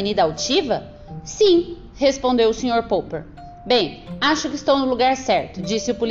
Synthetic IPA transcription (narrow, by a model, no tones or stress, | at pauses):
enid̪ɐawt͡ʃivɐ | sĩ | hespõnd̪ewʊsẽɲoɾpowpeɾ | bẽj̃aʃʊkɪist̪ɐ̃w̃nʊluɡaɾsɛɾt̪ʊd͡ʒisɪʊpul